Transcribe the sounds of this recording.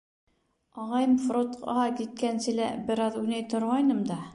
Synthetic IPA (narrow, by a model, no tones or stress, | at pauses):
ɑʁɑjɤmfrot̪qɑkit̪̚kænsɘ̆læbɘ̆ɾɑðʉnæjt̪ŏɾʁɑjnɤmd̪ɑ